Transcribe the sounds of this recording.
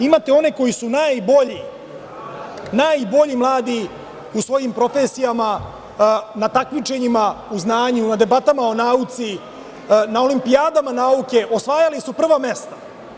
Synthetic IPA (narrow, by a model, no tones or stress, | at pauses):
imat̪eo̞ne̞ko̞jisunaːjbo̞ʎi | naːjbo̞ʎimlˠaːd̪i | usʋo̞jimpɾo̞fesijama | nat̪akmit͡ʃe̞ɲimauznaːɲunad̪e̞bat̪amao̞naːut̪si | nao̞limpijaːd̪amanaːuke̞ʔo̞sʋaːjalisupr̩ʋame̞st̪ḁ